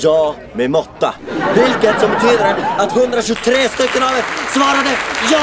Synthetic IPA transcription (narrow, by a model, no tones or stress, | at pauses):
jɑː | mɛmɔt̪ːa̰hʊlkət̪sɔmbɛt̪ʰyːd̪əɾəat̪hɵnd̪ɾaɕɵt̪ʰɾeːst̪ʏkːənavɛt̪svɑːɾad̪əj